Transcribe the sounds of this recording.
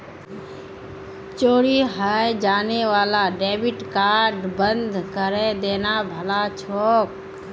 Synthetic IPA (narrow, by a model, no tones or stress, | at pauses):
t͡ʃoːɽiɦaːjd͡ʒaːneʋaːlaɖeːbɪʈkaːɾɖbənd̪ʱkəɾed̪eːnabʱəlat͡ʃʰɔːk̚